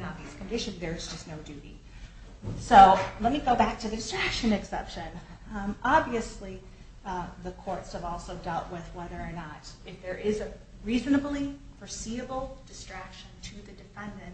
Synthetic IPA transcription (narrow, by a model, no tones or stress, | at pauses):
nɑviɨskɨ̃mdɪʃɨ̃nðə˞ɨzd͡ʒʌstnoʊdʉɾḭ | soʊlɛt̚miɡoʊbæk̚tʰɨðɨdɨstɹ̥ækʃɨ̃nɨksɛpʃɨ̃nʔɑbviɨsli | ðəkʰɔɹtshəvɔlˠsoʊdɛlˠʔwɪðwɛðə˞ənəɾɨfðə˞ʔɪzɨ | ɹiznəbl̩ˠi | fə˞siɨbl̩ˠd̥ɨstɹ̥ækʃɨ̃ntʰɨðɨdɨfɛ̃ndɨ̃nt